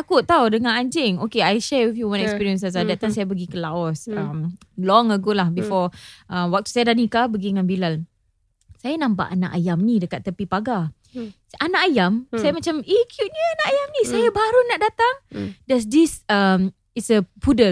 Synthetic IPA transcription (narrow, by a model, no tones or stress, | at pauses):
t̪akʊt̪ːawdəŋãnaɲd͡ʒɪŋokeajʃɛɹifjuwɔ̃ntɛkspiɹiə̃nsazadɛt̪̚t̪ːamsajabəɡikəlaɔsəmlɔŋəɡolahbifɔʔəmwak̚t̪u̥sajadanikabəɡiəŋanbilal | sajanãmpa̰ʔana̰ʔajamnidəkat̪ːəpipaɡa | anaʔajamsajamat͡ʃamikʰjuʔ̚ɲəanaʔajamnĩsajabaɾunaʔdat̪aŋdas̬disəm | itsəpudəl